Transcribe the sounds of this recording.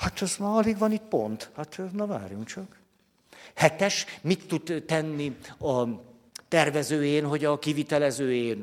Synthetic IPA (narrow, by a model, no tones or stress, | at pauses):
hat̪ɛzmaːɒliɡvɒnit̪po̞̰nt̪hat̪ʰnɒva̰ːrjuŋkt͡ʃɒk | hɛt̪ɛʃmit̪ːud̪t̪ɛnːiɒ | t̪ɛrvɛzøːjeːnɦo̞ɟɒkivit̪ɛlɛzøːjeːn